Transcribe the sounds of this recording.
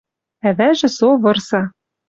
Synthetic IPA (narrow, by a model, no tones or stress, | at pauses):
æβæʒɘ̆soβɤ̆rsɑ